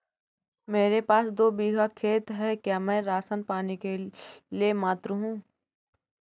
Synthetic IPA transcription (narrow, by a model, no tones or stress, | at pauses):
meːɾepaːsd̪oːbiːɡʱakʰeːt̪ɦɛkjaːmɛ̃ːɾaːsənpaːnekeliemaːt̪ɾəɦũː